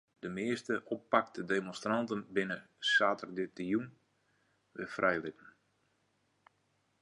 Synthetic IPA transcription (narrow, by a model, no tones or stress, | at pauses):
d̥əmɪəstəʔɔpak̚tədemõnstrantənbɪnə | saːtərdɪtijun | ʋɪ̰frʔɛjlɪtən̩